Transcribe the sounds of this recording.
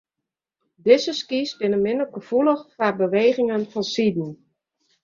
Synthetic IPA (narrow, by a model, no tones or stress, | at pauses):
dɪzəskisbɪnəmɪnəɡəv̥uləxfarbəʋeːɣɪŋənfɔnsidn̩